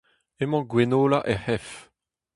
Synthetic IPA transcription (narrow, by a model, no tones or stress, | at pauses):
emɑ̃ɡwenoːlaʔɛhɛf